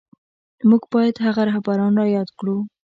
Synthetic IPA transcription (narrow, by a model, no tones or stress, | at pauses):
muɡbɑjad̪haɣaɾɑhbaɾɑnɾɑjɑd̪kɽu